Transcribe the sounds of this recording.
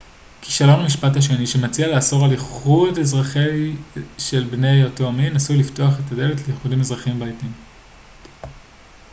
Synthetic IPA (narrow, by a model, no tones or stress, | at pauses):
kʰi̥ʃalo̞mamiʃpathaʃ̬e̞niʃe̞mat͡sialeaso̞ʁaliχudezʁaχejʃe̞lbne̞jotominasulifto̞aχe̞tade̞letlejeχudimezʁaχimbajtim